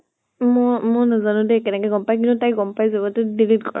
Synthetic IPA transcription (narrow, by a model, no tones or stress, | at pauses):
mɔmɔnazanʊ̃dɛkɛnɛkɛɡɔmpajk̬intʊtajɡɔmpajzabɔtʊdilitkɔɹ̰